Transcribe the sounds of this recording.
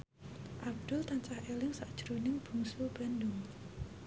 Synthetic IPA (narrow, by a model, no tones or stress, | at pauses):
ʔab̚d̪̥ʊ̤lt̪aɲt͡ʃahelɪŋsaʔd̥ʒ̥ɾunɪŋb̥ṳŋsub̥a̤ndʊŋ